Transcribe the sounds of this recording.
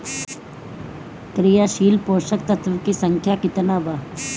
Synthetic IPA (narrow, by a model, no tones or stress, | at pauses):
kɾijaʃiːlpoːʃəkt̪ɐt̪ʰʋəkisəŋkʰjakɪt̪naːʋa